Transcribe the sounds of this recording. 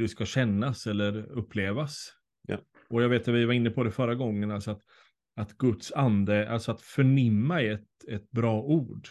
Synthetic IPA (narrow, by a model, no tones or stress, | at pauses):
ɛskaɕɛnːasɛlːəɾɵpːleːvas | ɔjaɡveːt̪avɪvaɾɪnːəpʰɔd̪ɛfœɾːaɡɔŋːənalsɔat̪ | at̪ɡɵt̪sand̪əa̰lsɔat̪fœɳɪmːaɛɛt̪ɛt̪̚bɾɑːʔuːɖ